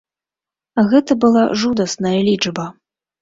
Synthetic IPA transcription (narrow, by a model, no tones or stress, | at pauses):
ɣɛt̪ɐbɨlˠaʐud̪ɐsnɐjɐlʲid͡ʐbɐ